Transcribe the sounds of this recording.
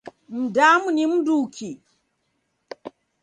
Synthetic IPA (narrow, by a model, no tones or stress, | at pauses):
m̩damunim̩duːkʰi